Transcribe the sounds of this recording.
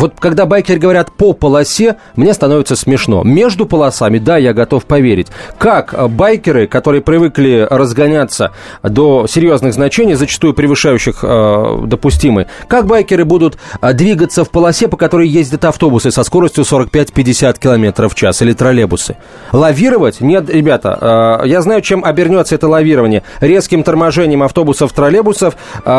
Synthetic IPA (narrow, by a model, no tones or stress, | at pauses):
vo̞t̪̚kɐɡd̪abajkʲɪrɡəvɐɾʲat̪popəlˠɐsʲe | mnʲe̞st̪ɐno̞vʲɪt̪səsmʲɪʂno̞̰mʲe̞ʐd̪ʊpəlˠɐsamʲɪd̪ajaɡɐt̪o̞fpɐvʲeɾʲɪ̰tʲkakbajkʲɪɾɨkɐt̪o̞ɾɨjəpɾʲɪvɨklʲɪrəzɡɐnʲat̪sə̰ | d̪o̞sʲɪɾʲjo̞znɨɣznɐt͡ɕenʲɪjzət͡ɕɪ̥st̪ujʊpɾʲɪvɨʂajʉɕːɪxd̪əpʊsʲtʲimə̰jkak̚bajkʲɪɾɨbud̪ʊt̪d̪vʲiɡət̪səfpəlˠɐsʲepəkɐt̪o̞ɾɨjjezʲdʲət̪ɐft̪o̞bʊsɨsɐsko̞ɾəsʲtʲjʊso̞ɾək̚pʲætʲpʲɪdʲɪsʲat̪̚kʲɪlˠɐmʲe̞t̪ɾəft͡ɕasilʲɪt̪ɾɐlʲebʊsɨ̰ | lˠɐvʲiɾəvətʲnʲe̞t̪ɾʲɪbʲat̪ə̰əjaznajʊt͡ɕe̞mɐbʲɪrnʲo̞t̪səɛt̪əlˠɐvʲiɾəvənʲɪjəɾʲe̞skʲɪmt̪ərmɐʐɛnʲɪjəmɐft̪o̞bʊsəft̪ɾɐlʲebʊsəf